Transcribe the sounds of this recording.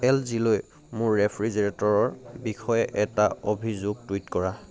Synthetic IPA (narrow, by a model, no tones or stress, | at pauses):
ɛlziloj | mʊɹːepʰɹizeɹetɔɹɔɹbixʰɔjɛʔɛtaobʱizoɡ̚twitkɔɹa